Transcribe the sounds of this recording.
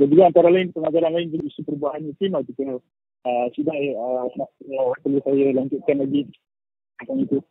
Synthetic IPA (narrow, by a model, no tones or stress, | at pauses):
dand͡ʒuɡaant̪aɾalaɪnpəŋad͡ʒaɾanlaɪnd͡ʒuluʔisupəɾubaɦanut̪imait̪ukula | əsidaʔənaəpərlusajalaɲd͡ʒut̪̚kanlaɡi | akaŋit̪u